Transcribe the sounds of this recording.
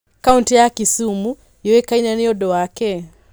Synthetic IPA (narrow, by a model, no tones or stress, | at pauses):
kauntijakisumu | jɔwɛkainaniɔɗɔakɛ